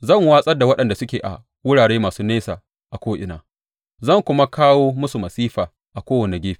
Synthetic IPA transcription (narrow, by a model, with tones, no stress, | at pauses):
zɐ˦˨ŋwaː˦sʼɐ˦rda˨wɐ˦ɗɐ˨nda˨sʊ˦kʲeː˨ʔa̰˨ | wʊ˦ɽaː˨ɽeː˦maː˨suː˦neː˦saː˨ | ʔa˨kʷoː˦ʔɪ̰˨na̰ː˨ | zɐ˦˨ŋkʷʊ˦ma˦kaː˦woː˦mʊ˦su˨mɐ˨siː˦ɸaː˨ | ʔa˨kʷoː˦wɐ˨ne˨ɡʲeː˦ɸi̥˨